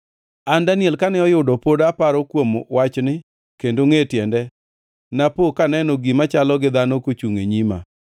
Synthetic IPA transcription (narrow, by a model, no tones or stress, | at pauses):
andanjɛlkanɛɔjʊdɔpodapaɾɔkwomwat͡ʃnɪ | kendoŋetjɛndɛ | napokanɛnɔɡimat͡ʃalɔɡɪd̪anɔkot͡ʃuŋḛɲima̰